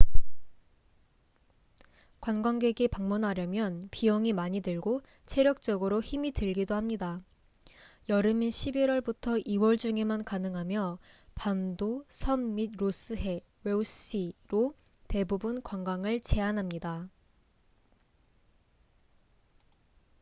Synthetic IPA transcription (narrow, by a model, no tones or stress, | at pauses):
kwanɡwaŋɡe̞ɡepaŋmunɦaɾjʌmjʌnpiʌŋimaɲidɯɭɡo | t͡ɕʰe̞ɾjʌk̚t͡ɕ͈ʌɡɯɾoçimitɯɭɡidohamɲida | jʌɾɯmiɕʰibiɾwʌɭbutʰʌʔiwʌɭd͡ʑuŋe̞mankanɯŋɦamjʌpandosʰʌmːid̚ɾos͈ɯɦe̞ | weus͈iɾo | te̞bubunkwaŋɡwaŋɯɭt͡ɕe̞anɦamɲida